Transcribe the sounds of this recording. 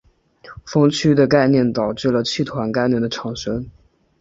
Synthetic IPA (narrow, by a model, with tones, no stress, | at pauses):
fɤ˥ŋt͡ɕʰy˥d̪ə˨ka˥˧ɪnjɛ˥˩nt̪ɑ˨˩ʊʈ͡ʂɻ̩˥˩lə˩t͡ɕʰi˥˩t̪ʰwa˧˥nka˥˧ɪnjɛ˥˩nd̪ə˩ʈ͡ʂʰɑ˨˩ŋʂə˥n